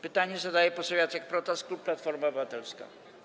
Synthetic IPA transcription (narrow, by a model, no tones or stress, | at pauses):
pɘt̪aɲɛzad̪ajɛpɔsavjat̪sjak̚pɾɔt̪asklupːlat̪fɔɾmaɔbɨvat̪ɛlska̰